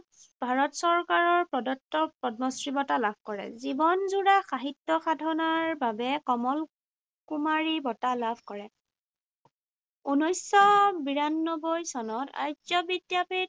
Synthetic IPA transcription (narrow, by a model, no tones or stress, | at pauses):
bʱaɹɔtsɔɹkaɹɔɹpɹɔdɔtːɔpɔdmɔsɹibɔtalab̚ʱkɔɹɛ̰zibɔnzuɹaxaɦitːɔxadʱɔnaɹbabɛkɔmɔl | kumaɹibɔtalabʱkɔɹɛ | unojsɔbiɹanːɔbɔjsɔnɔta̰jzɔbidjapit̚